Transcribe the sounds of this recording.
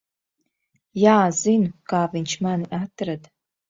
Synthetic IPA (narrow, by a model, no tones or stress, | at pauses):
jaːzinkaːvint͡ʃʰmanʔatʰɨɾad